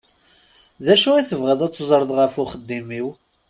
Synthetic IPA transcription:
ðæʃuɾiθəvʁəðæt͡sːzˤɾˤəðˤʁəfʊχəd̪ːimiw

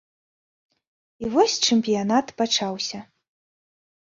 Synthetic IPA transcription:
ivɔsʲt͡ʂɨmʲpʲijanat̪pat͡ʂawsʲɐ

